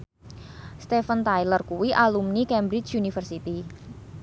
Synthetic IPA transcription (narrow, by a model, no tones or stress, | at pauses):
st̪efənt̪ajlərkuwiʔalumnikɛmbɾɪt͡ʃunifərsit̪i